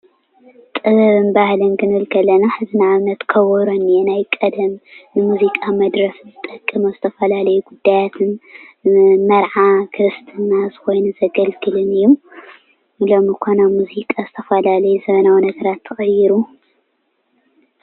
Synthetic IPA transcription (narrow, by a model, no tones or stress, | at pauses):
t̪ʼɨβɐβɨnbahlɐnkɨnɨɨlkʰɐlːɐnaħɨzɨnʕaβnɐt̪kʰɐwɔɾonːijenajkʼɐd̪ɐmnɨmuzikʼamɐd̪ɾɐfzɨt̪ʼɐkʼːɐmozɨt̪ʰɐfɐlalɐjuɡud̪ːajat̪ʰɨn | mɐɾʕakʰɨɾɨst̪ʰɨnːaz̥ɨxo̞jnuzɐɡɐlɡɨlɨnɨjːum | ɨlomɨkʰonamuzikʼazɨt̪ʰɐfɐlalɐjuzɐβɐnawnɐɡɐɾat̪ʰːɨxʼɐjiɾu